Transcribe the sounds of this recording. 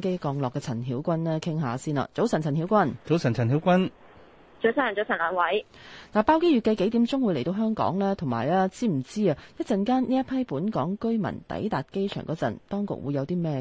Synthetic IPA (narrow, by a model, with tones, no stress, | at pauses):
ŋke˥jkɔː˧ŋlɔː˨kːɛː˧t͡sʰɐ˨˩nhiː˨˥wkʷɐ˥nlɛː˥kʰɪ˥ŋɦaː˨˧siː˥nɐ̰˨t͡so˨˥wsɐ˨˩nt͡sʰɐ˨˩nhi˨˥wkʷɐ˥nt͡so˨˥wsɐ˨˩nt͡sʰɐ˨˩nhiː˨˥wkʷɐ˥n | t͡so˨˥sʰaː˨˥˨t͡so˨˧wsɐ˨˩nlaː˨˧nwɐ˨˥j | naː˨˩paː˥wke˥jɥyː˨˩ke˨˥jke˨˥jt̪iː˨˥mt͡sʊ˥ŋwuː˨˧le˨˩jt̪o˧wɦœː˥ŋkɔ̰ː˨˥ŋlɛː˥t̪ʰʊ˨˩ŋmaː˨˩jlɛː˥t͡siː˥m̩˨˩t͡siː˥a˨jɐ˥t̚t͡sɐ˨nkaː˥nniː˥jɐ˥t̚pʰɐ˥jpuː˨˥nkɔː˨˥ŋkɵ˥ɥmɐ̰˨˩nt̪ɐ̰˨˥jt̪aː˨t̚ke˥jt͡ʃʰœ̰ː˨˩ŋkɔː˨˥t͡sɐ̰˨˩nt̪ɔː˥ŋkʊ̰˨˩k̚wṵː˨˧jɐ˨˧wt̪iː˥mɛː˥˧